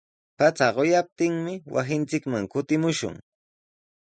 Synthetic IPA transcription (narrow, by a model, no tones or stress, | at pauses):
pat͡saɢojap̚t̪ɪŋmɪwʔa̰sɪnt͡sɪkmaŋkʊt̪ɪmʊʃʊ̰ŋ